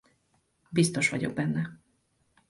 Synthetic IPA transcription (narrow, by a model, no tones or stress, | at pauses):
bist̪o̞ʃʋɒɟo̞̰ɡ̚bɛnːɛ